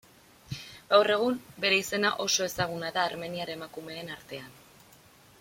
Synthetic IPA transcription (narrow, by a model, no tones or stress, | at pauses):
ɡawre̞ɣ̞umbe̞ɾe̞ise̞naʔo̞so̞e̞saɣ̞unaðaːɾme̞niaɾemakume̞ːnaɾt̪e̞an